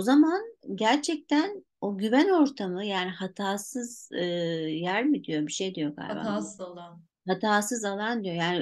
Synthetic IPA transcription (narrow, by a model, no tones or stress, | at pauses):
ozamanɟæɾt͡ʃʰɛc̚t̪ʰæn | o̞ɟyvæno̞ɾt̪ʰamɯjaːnihat̪ʰaːsɯz̥ɯjæɾmid̪ijo̞biʃejd̪ijo̞kʰa̰ɾba̰zˠa | hat̪ʰaːsɯzalˠand̪ijo̞jaːni